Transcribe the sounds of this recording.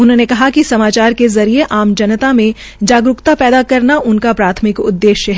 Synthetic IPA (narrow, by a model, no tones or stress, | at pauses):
ʊnɦõːnekɐɦakisɐmaːt͡ʃaːɾkezɐɾieʔaːmd͡ʒɐnət̪amẽ | d͡ʒaːɡɾʊkt̪apɛːd̪akɐɾnaʔʊnkapɾaːt̪ʰmɪkʊ̰d̪ːeːʃjəɦɛ